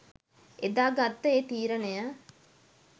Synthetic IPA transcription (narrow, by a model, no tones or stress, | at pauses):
ʔed̪aːɡat̪ːəeːt̪iːɾənejə